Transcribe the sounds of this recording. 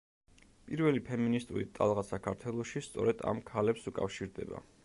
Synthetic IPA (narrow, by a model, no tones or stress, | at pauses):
pʼiɾvɛlipʰɛminist̪ʼuɾḭt̪ʼa̰lˠʁasakʰaɾt̪ʰwɛlˠɔʃist̪sʼɔ̰ɾɛd̪̥a̰mkʰalɛpsukʼa̰fʃiɾd̪ɛ̰ba̰